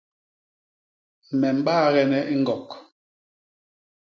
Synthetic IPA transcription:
mɛ˨m̩˨˦ɓaː˦ɣɛ˦nɛ˦ʔi˦ŋ̩˦ɡɔ˨k

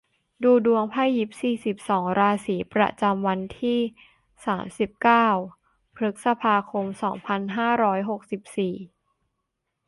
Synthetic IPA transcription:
duː˧du˧əŋpʰa˥˩jːi˦˥p̚siː˨˩si˨˩p̚sɔː˩˦ŋɾaː˧siː˩˦pɾa̰˧t͡ɕa˧mwa˧nt̪ʰiː˥˩ | saː˩˦msi˨˩p̚kaː˥˩w | pʰɾɯ˦˥k̪̚sa˧pʰaː˧kʰo˧msɔː˩˦ŋpʰa˧nɦaː˥˩ɾɔː˦˥jɦo˨˩k̚si˨˩p̚siː˨˩

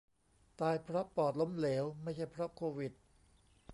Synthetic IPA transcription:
t̪aː˧jpʰɾɔ˦˥pɔː˨˩t̪̚lo˦˥mleː˩˦wma˥˩jt͡ɕʰa˥˩jpʰɾɔ˦˥kʰoː˧wi˨˩t̪̚

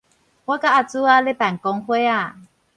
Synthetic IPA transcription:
wa˦ka˦ʔa˨t͡su˦a˧le˦pɛ˨˩ŋkɔ˧˦ŋkʰu˧˦ja˧˨

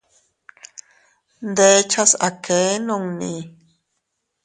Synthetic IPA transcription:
nd̪e˦t͡ʃʰa˦sa̰˨kʰe˦no˦ŋni˨

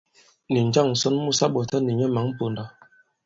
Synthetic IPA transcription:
ni˨n̩˨d͡ʒa˦˨ŋ̩˨sɔ˦n˦mu˦˨sa˦ɓɔ˨ta˦ni˨ɲɛ˦ma˨˦ŋ̩˦po˨nda˨

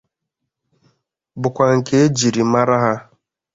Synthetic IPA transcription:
bʊ˨kʷa˨ŋ̩˨ke˦e˦d͡ʒi˨ɾi˨ma˦ɾa˦ɦa˦

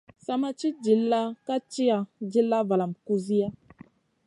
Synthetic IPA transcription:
sa˦ma˦t͡ʃi˦d͡ʒi˨lːa˦ka˦t͡ʃi˦a˨d͡ʒi˦lːa˦va˨la˨mku˦zi˦ja˦

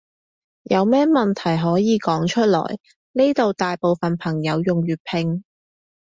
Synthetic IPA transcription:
jɐ˨˧wmɛː˥mɐ˨˩nt̪ʰɐ˨˩jɦɔː˨˥jiː˨˧kɔː˨˥ŋt͡ʃʰɵ˥t̚lɔ̰ː˨˩j | niː˥t̪o˨wt̪aː˨jpo˨wfɐ˨npʰɐ˨˩ŋjɐ˨˧wjʊ˨ŋɥyː˨˩t̚pʰɪ˧ŋ

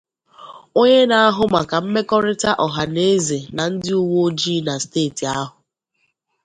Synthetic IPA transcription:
o˦ɲe˦na˨a˦ɦʊ˦ma˨ka˨m̩˦me˦kɔ˦ɾɪ˦ta˦ʔɔ˨ɦa˨ne˦ze˨na˨n̩˦dɪ˦u˦wo˦d͡ʒiː˦na˨steː˦˨ti˨a˦ɦʊ˨

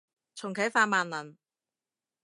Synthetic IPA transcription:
t͡sʰʊ˨ŋkʰe˨˥jfaː˧nmaː˨nlɐ˨˩n

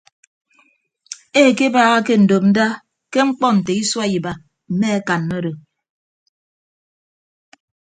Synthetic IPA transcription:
e˦˨ke˦baː˦ɣa˦ke˦n̩˨do˨p̚n̩˦da˦ | ke˦ŋ͡m̩˦k͡pɔ˦n̩˨te˨i˦swa˦˨ji˨ba˨ | m̩˨me˦e˦ka˨nːo˦do˨

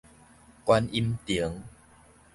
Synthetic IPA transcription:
kwa˧ni˧mt̪i˨˩˦ŋ

